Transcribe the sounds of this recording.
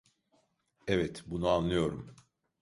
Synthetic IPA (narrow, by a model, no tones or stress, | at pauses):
evɛt̪bunuanlːɯjo̞ɾum